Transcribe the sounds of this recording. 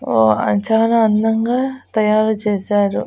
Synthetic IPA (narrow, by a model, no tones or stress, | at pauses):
oɐ̰nt͡ʃaːnɐɐnd̪ɐŋɡaːt̪ɐjaːɾut͡ʃeːsaːɾṵ